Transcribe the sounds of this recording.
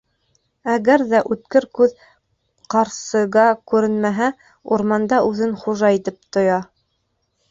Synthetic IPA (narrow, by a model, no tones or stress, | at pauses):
æɣæɾðæʔʉt̪kɘɾkʉð | qɑɾsɤ̆ʁɑkʉɾɘnmæɦæ | uɾmɑnd̪ɑʔʉðɘnχuʒɑit̪ɘp̚t̪ŏjɑ